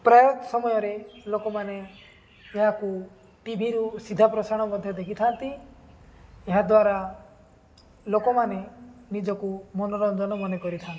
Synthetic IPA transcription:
pɾajɔt̪ɔsɔmɔjɔɾelokɔmaneː | ɦaku | ʈibʱiɾusid̪ʱapɾɔsaɽ̃ɔmɔd̪ʱjɔd̪ekʰit̪ʰant̪i | eɦad̪waɾa | lokɔmanenid͡ʒɔkumɔnɔɾɔnd̪ɔnɔmɔnekɔɾit̪ʰant̪i

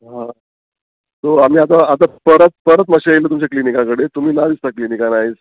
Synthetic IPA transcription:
ɦã | t̪oam̤iːat̪̬aat̪̬apəɾət̪̚pəɾət̪maɕiajlət̪umt͡ɕaklinikãkəɽet̪um̤iːnaʋist̪aklinikanaɦet͡s

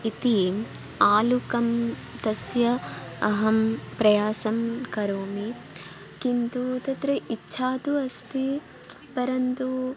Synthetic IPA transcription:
it̪i | aːlukɐm | t̪ɐsjɐɐɦɐmpɾɐjaːsɐmkɐɾoːmi | kint̪ut̪ɐt̪ɾɐitːʃʰaːt̪uɐst̪ʰi | pɐɾɐnt̪u

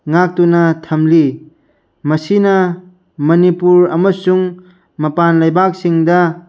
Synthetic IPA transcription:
ŋak̚tunɐt̪ʰɐmli | mɐsinɐ | mɐnipuɾɐ̰mɐsuŋ | mɐpanlɐjbak̚siŋdɐ

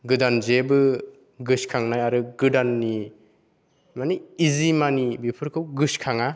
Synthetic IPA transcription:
ɡɯdanzebɯ | ɡɯskʰaŋnajaɾɯɡɯdanːi | maniːzimanibipʰɯɾkʰɯwɡɯskʰaŋa

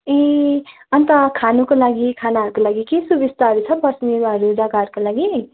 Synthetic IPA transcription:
ẽ | ʌnt̪ʌkʰanukolaɡikʰanaɦʌɾukolaɡikesubist̪aɦʌɾut͡sʰʌpʌsmiɾaɦʌɾudaɡaɾkolaɡi

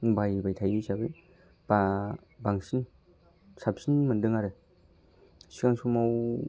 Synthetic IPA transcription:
bajbajtʰajisabɯj | b̥a | baŋsin | sap̚sinmɯndɯŋaɾɯ | sikaŋsumaw

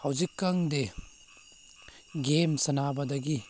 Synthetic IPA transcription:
hɐwzikːɐŋde | ɡemsɐnabɐdɐɡi

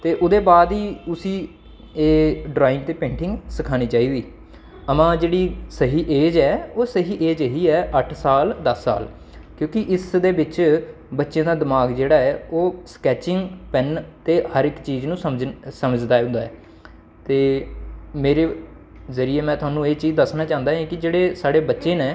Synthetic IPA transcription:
t̪eːʔʊd̪eːbaːd̪iːʊsiː | eːɖɾaːɪnt̪eːpẽːɳʈɪ̃ŋɡsɪkʰaːñiːt͡ʃaːiːɡiː | əmãːd͡ʒeːɽiːsəɦiːʔeːd͡ʒɛːoːsəɦiːʔeːd͡ʒəɦiːɛːʔəʈʰsaːld̪əsːa̰ːl | kjõːkɪʔɪsd̪eːbɪt͡ʃ | bətːʃẽːd̪aːd̪ɪmaːɡd͡ʒeːɽaːɛːoːskɛːt͡ʃɪŋɡpɛnt̪eːhəɾɪkt͡ʃiːznũːəmsəməd͡ʒd̪aːɦʊ̃nd̪aːɛː | t̪eː | meːɾeː | zəɾieːmɛ̃ːt̪ʊaːnũːeːt͡ʃiːzd̪əsnaːt͡ʃãːnd̪aːɦɛ̃ːkɪd͡ʒeːɽeːsaːɽeːbətːʃẽːnẽː

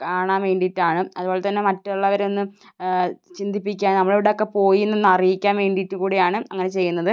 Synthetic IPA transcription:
kaːɳaːnʋe̞ːɳɖitːaːɳɨɐðubo̞ːɭet̪ɐnːe̞mɐtːuɭːɐʋɐɾeonːɨ | t͡ɕind̪ʱipːikʲːaːnnɐmːɐɭeʋiɽeokːe̞po̞ːjienːonːɐrijikʲːaːnʋe̞ːɳɖiʈːukuːɽejaːɳɨɐŋːɐne̞t͡ɕe̞jːunːɐðɨ

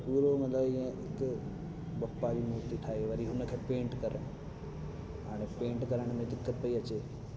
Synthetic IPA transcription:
puːɾomɐt̪ləbɪẽɪk | bɐpːad͡ʑiːmuɾt̪iʈʰaːɦeʋɐɾiɦʊnəkʰeːpẽːɳʈkɐɾəɽ̃ | ɦaːɽ̃epẽːɳʈkɐɾəɽ̃mẽd̪ɪkːət̪pɐiɐt͡ɕeː

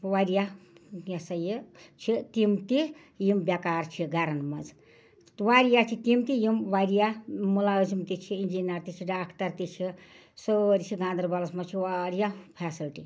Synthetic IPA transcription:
ʋaɾijajasɐjət͡ʃʰit̪imt̪i | jimbjakaːɾt͡ʃʰiɡaɾɐnmɐd͡z | t̪ʋaɾijat͡ʃʰit̪imt̪ijimʋaɾijamulaəzimt̪it͡ʃʰiind͡ʒinɐɾt̪it͡ʃʰiɖaːkʰʈɐɾt̪it͡ʃʰi | səɾt͡ʃʰiɡãːnd̪ɾbalɐsmɐt͡ʃʰiʋaɾijapʰɛsilʈḭ

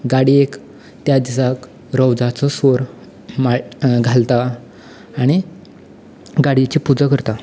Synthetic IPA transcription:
ɡaɽiek | t̪jad̪isak | ɾəwd͡zat͡sɔsʋoɾ | maɡʱalt̪aː | ɽ̃i | ɡaɽit͡ɕiːpud͡zakəɾt̪a

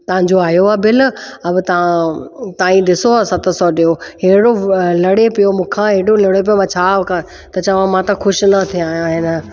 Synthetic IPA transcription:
t̪ɐʋɦãɲd͡ʑoaːjoaːbɪlɐbt̪ɐãt̪aːĩɗɪsoaːsɐt̪sɔɗijoɦeɦɪɽolɐɽepijomũːkʰãɦeɦɽolɐɽep̬ijomãːt͡ɕʰaːkɐ | t̪ɐt͡ɕɐʋ̤ãmãt̪ɐxʊʃnɐt̪ʰĩaːɦijãɦɪn

